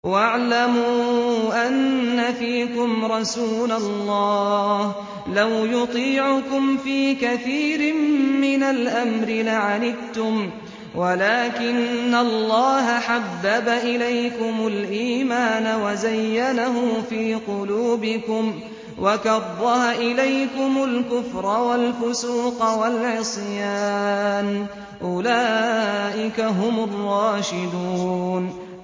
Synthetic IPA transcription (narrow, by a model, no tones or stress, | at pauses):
waʕlamʊʔanːafiːkʊmɾˤɑsuːlalːɑːh | lawjʊt̪ˤiːʕʊkʊmfiːkaθiːɾɪmmɪnalʔamɾɪlaʕalɪbt̪ʊm | walaːkɪnːalːɑːɦaħabːabaʔɪlajkʊmʊlʔiːmaːnawazajːanaɦʊːfiːqʊluːbɪkʊm | wʔakɑðˤːɑhaʔɪlajkʊmʊlkʊfɾˤɑwalfʊsuːqɑwalʕɪsˤjaːn | ʔʊlaːʔɪkaɦʊmʊrˤːɑːʃɪd̪uːn